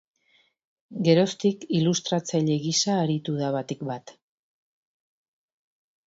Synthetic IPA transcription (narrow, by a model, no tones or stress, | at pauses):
ɡe̞ɾo̞st̪ikilust̪ɾat͡saʎe̞ɣisaːɾit̪uðaβat̪ikbat̪